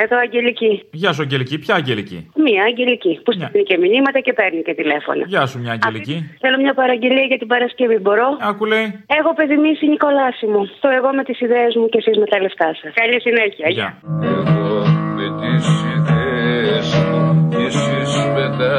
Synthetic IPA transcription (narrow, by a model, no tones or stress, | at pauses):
e̞ðo̞ɐɲɟe̞liciʝɐs̬uɐɲɟelicipçɐːɐɲɟelicḭmiɐːɟe̞licipusnice̞minimɐt̪ɐce̞peɾnicet̪ile̞fo̞̰nɐ̰ʝɐsumɲɐːɲɟɐfliciθelo̞mɲɐpɐɾɐɟe̞liɐʝɐt̪ibɐɾɐsce̞vibo̞ɾo̞ɐkuleje̞xo̞peθimisiniko̞lɐsimut̪o̞e̞ɣo̞me̞t̪isiðeezmucesizme̞t̪ɐle̞ft̪ɐsɐskɐʎisineçiɐʝɐeɣopet̪isiðesisismet̪ɐ